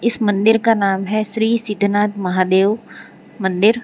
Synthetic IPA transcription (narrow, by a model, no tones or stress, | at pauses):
ɪsmɐ̃nd̪ɪɾkanaːmɦɛʃɾiːsɪd̪ʱnaːt̪mɐɦaːd̪eːʋ | mɐ̃nd̪ɪɾ